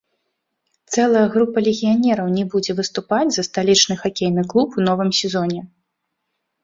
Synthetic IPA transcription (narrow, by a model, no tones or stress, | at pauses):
t̪sɛlˠɐjɐɣɾupɐlʲɛɣʲijanʲɛɾɐwnʲɛbud͡zʲɛvɨst̪upad͡zʲzɐst̪alʲit͡ʂnɨxakʲejnɨklˠupun̪ɔvɨmsʲɛzɔnʲɛ